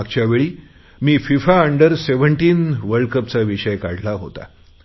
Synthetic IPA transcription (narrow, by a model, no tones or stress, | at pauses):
aɡ̚t͡ɕjaʋeɭiː | miːfifaəɳɖəɾseʋəɳʈiːnʋəɾɽkəp̚t͡saʋiɕəjkaɽlaɦo̰t̪a̰